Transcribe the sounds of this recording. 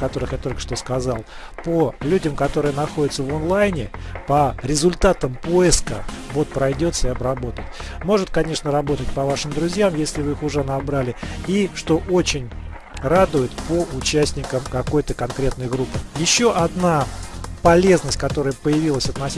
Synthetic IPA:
kɐt̪o̞ɾɨxjat̪o̞lʲkə̥ʂt̪o̞skɐzalˠ | pəlʲudʲəmkɐt̪oɾɨjənɐxo̞dʲɪt̪səvonlˠajnʲɪpəɾʲɪzʊlʲt̪at̪əmpo̞ɪskəvo̞t̪̚pɾɐjdʲo̞t̪səɪɐbɾɐbo̞t̪ətʲ | mo̞ʐɨt̪̚kɐnʲe̞ʂnəɾɐbot̪ət̚ʲpɐvaʂɨmd̪ɾʊzʲjamjesʲlʲɪvɨixʊʐɛnɐbɾalʲɪiʂt̪o̞ʔot͡ɕɪnʲ | rad̪ʊjɪt̪pəʔʊt͡ɕæsʲtʲnʲɪkəmkɐko̞jt̪əkɐnkɾʲe̞t̪nəjɡɾupːɨjɪɕːoʔɐd̪napɐlʲe̞znəsʲtʲkɐt̪o̞ɾəjəpəjɪvʲilˠəsʲɐt̪nɐsʲ

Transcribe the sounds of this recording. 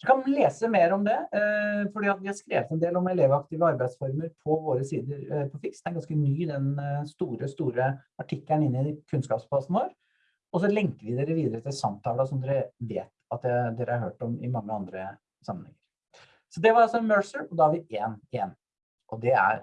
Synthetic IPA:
ɛkʰɑnleːsəmeːɾɔmd̪ɛfɔɖiːɑt̪ʋɪhɑɾskɾḛːʋət̪ɛnd̪eːlɔmɛleːʋɑkt̪ɪʋəɑɾbæɪd̪sfɔɾməɾpʰɔʋoːɾəsiːd̪əɾpʰɔfɪksd̪ɛnɡɑnskənyːd̪ɛnst̪uːɾəst̪uːɾə | ɑʈʰɪkːləɳɪnːɪkʰʉnskɑ̰ːpspʰlɑsn̩ʋoːɾ | ɔs̬ɔlɛŋkəɾʋɪd̪eːɾəʋiːd̪əɾət̪ʰɪlsɑmt̪ʰɑːləɔsɔmd̪eːɾəʋḛːt̪ɑt̪̚d̪ɛd̪eːɾəhɑɾɦø̰ːʈɔmɪ̰mɑŋːəɑ̰nd̪ɾə | sɑmːənhɛ̰ŋːəɾ | sɔd̪ɛʋɑɾɑlsɔmøːɹsəɹɔd̪ɑhɑɾʋɪeːnɪɛn | ʔɔd̪ɛæ̰ɾ

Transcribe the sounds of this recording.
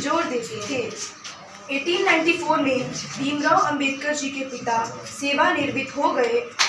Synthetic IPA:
zoːɾd̪eːd͡ʒet̪ʰeː | eːʈiːnːaːɪ̃ɳʈipʰoːɾmẽd̪iːmɾɔːɐ̃mbeːd̪̚kəɾd͡ʒiːket̪ɪt̪aːseːʋanɪɾbɪt̪ɦoːɡəeː

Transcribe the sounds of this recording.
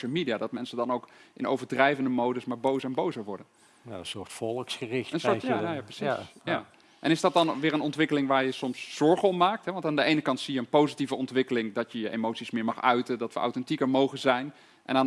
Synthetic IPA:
əlˠmidijadɑt̚mɛnsədɑnowkʔɪno̰wvəɹdrɛjvəndəmowdəsmaːɹbowsɛnbowzəɹʋɔɹdən | na̰ənsʊːɹtfɔlˠəksχərɪxtənsʊːɹjajajaprəsisja | ʔɛnɪzdɑt̚dɑnʋɪːɹənɔntʋɪkəlɪŋʋaːɹjəsɔmszɔɹχəɔpmaːk̚tɦɛʋɑntaːndəʔejnəkɑntsijəənpowzitivəɔntʋɪkəlɪŋdɑtjəjəʔemowtsismɪːɹmɑχœɥtədɑtʋəʔɑ̰wtɛntikəɹmowχənzɛjn | ʔɛ̰naːn

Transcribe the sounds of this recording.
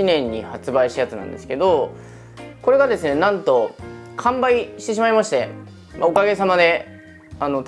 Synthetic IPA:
inẽ̞ɲ̟ːihat͡sɨbaiɕt̪ajat͡sɨnã̰nd̪e̞sɨ̥ke̞d̪o̞ | ko̞ɾe̞ɡad̪e̞sɨne̞nãnt̪o̞kʰãmbaiɕi̥t̪e̞ɕ̬imaimaɕi̥t̪e̞ | maokaɡe̞samad̪e̞ | ano̞t̪

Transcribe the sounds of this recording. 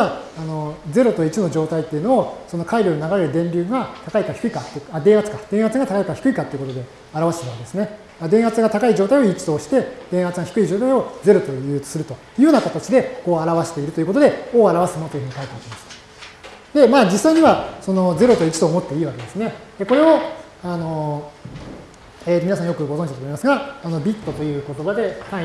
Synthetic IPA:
aano̞d͡ze̞ɾo̞t̪o̞it͡ɕino̞d͡ʑo̞ːt̪ait̪ːe̞iɯ̟no̞oso̞no̞kaiɾʲoːnonaɡaɾeɾɯ̟d̪ẽ̞ɲbʲɨːɡat̪akaikaçi̥kɯikat̪ːead̪ẽ̞at͡sɨ̥kad̪ẽ̞ɰ̃hat͡sɨɡat̪akaikaçi̥kɯ̟ikat̪ːe̞iɯ̟kot̪od̪e̞ | aɾaβaɕet̪eɾ̟aked̪esɨne̞ | ad̪eɰ̃hat͡sɨɡat̪akaid͡ʑo̞ːt̪aio̞it͡ɕi̥t̪o̞ːɕi̥t̪e̞d̪̥ẽɰ̃hat͡sɨɡaçi̥kɯ̟id͡ʑo̞ːt̪aio̞d͡ze̞ɾo̞t̪o̞jɯ̟ːt͡sɨ̥sɨɾɯ̟t̪o̞ | jɯoːnakot̪at͡ɕid̪e̞ko̞ːaɾaβaɕe̥t̪e̞iɾɯt̪ojɯ̟ko̞t̪o̞d̪e̞o̞ːaɾaβasɨnot̪ojɯ̟ɯ̟ɲikait̪eeimasɨ̥ | d̪e̞maːd͡ʑisːaiɲ̟iβaso̞no̞ze̞ɾo̞t̪o̞it͡ɕi̥t̪oːmo̞t̪ːe̞iːβake̞d̪e̞sɨne̞eko̞ɾe̞o | ano̞ | eminasãjo̞kɯ̟ɡozõɲd͡ʑitat̪omimasɨɡaːno̞bʲit̪ːo̞t̪o̞jɯ̟ːko̞t̪o̞bad̪e̞ha

